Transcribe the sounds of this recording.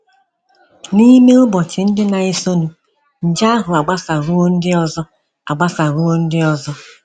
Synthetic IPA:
ni˦me˦ʊ˦bɔ˨t͡ʃɪ˨n̩˦dɪ˦na˨ɪ˦so˦nu˨ | n̩˨d͡ʒa˦a˦ɦʊ˨a˨ɡ͡ba˦sa˨ɾu˦o˦n̩˦dɪ˦ɔ˦zɔ˦ | a̰˨ɡ͡ba˦sa˨ɾu˦o˦n̩˦dɪ˦ɔ˦zɔ˦

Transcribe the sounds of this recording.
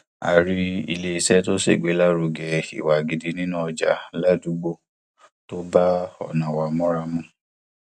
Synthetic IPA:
a̰˨ɾi˦i˧le˦i˧sɛ˦to˦sḛ˦˨ɡ͡be˨˦la˦ɾu˨˧ɡɛ˨ḭ˨wa˨ɡi˨di˧˦nĩ˦nũ˦ɔ˧d͡ʒa̰˨la˦du˨˦ɡ͡bo˦ | to˦ba˦ɔ̰˨nã˨wa˨mɔ̃˦ɾa˧mũ˦

